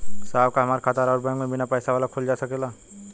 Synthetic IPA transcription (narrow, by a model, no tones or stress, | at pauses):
saːbkaɦɐmaːɾkʰat̪aːɾaːɾbɛ̃ɡmẽbɪnapɛːsaʋaːlakʰʊld͡ʒaːsɐkeːlaː